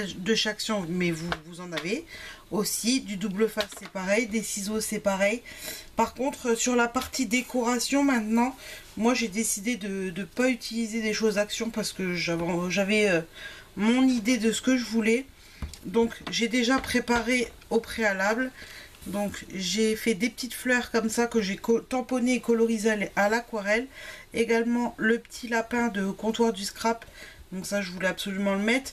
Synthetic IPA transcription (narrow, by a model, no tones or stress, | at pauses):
d̪əʃaksjɔ̃mɛvuvuzɑ̃naveosid̪yd̪ubləfassɛpaʁɛjd̪esizosɛpaʁɛjpaʁkɔ̃t̪χsyʁlapaʁt̪ʰid̪ekʰɔʁasjɔ̃mɛ̃t̪nɑ̃ | mwaʒed̪esid̪ed̪əd̪əpayt̪ʰilized̪eʃozaksjɔ̃paʁsə̥kəʒavɑ̃ʒavɛømɔ̃nid̪ed̪əsə̥kəʒəvulɛ | d̪ɔ̃kʒed̪eʒapχepaʁe | opχealabl | d̪ɔ̃kʒefɛd̪epə̥t̪it̪flœʁkɔmsakəʒekɔt̪ɑ̃pɔneːkɔlɔʁizlalakwaʁɛleɡalmɑ̃ləpə̥t̪ʰilapɛ̃d̪əkɔ̃t̪waʁd̪yskχap | d̪̥ɔ̃ksaʒəvulɛabsɔlymɑ̃ləmɛt̪χ